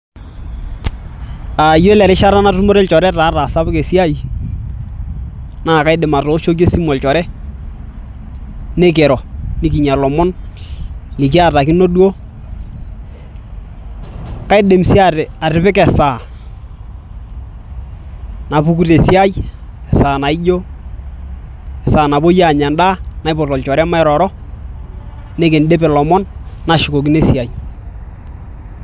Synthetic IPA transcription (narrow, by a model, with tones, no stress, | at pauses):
a˨jo˦lɛ˨ɾɪ˦ʃa˦ɾa˦na˦tʊ˦mo˦ɾe˦lt͡ʃɔ˨ɾɛ˦taː˨˦ɾa˨sa˦bɪ˦ke˨si˦a˦j | na˦˨ka˦ɪ˦dɪ˨ma˨tɔ˨˦ʃo˦ke˦si˦mɔ˨lt͡ʃɔ˨ɾɛ˦ | nɛ˦k̬ɛ˨ɾɔ˨ni˦ki˨ɲa˨lɔ˨mɔ˦n | li˨k̬i˦a˦˨ta˨ki˦no˦du˦o˦ | ka˦ɪ˦de˨msi˦a˦˨a˨ɾɪ˨pɪ˦kɛ˨sa˨ | na˨pu˦ku˦te˨si˦a˦jɛ˨saː˨na˨ɪ˦d͡ʒo˦ | ɛ˨saː˨na˨bo˦ja˦˨ɲa˨ndaː˦na˨ɪ˦pɔ˨tɔ˨lt͡ʃɔ˨ɾma˦ɛ˦ɾɔ˨ɾɔ˦ | ne˦ke˨nde˦p̬ɛ˨lɔ˨mɔ˦nːa˨ʃɪ˨ko˨k̬i˦ne˦si˨a˨j